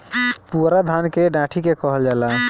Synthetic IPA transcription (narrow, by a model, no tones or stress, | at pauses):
puɾad̪ʱankeɖaʈʰikekəɦəld͡ʒala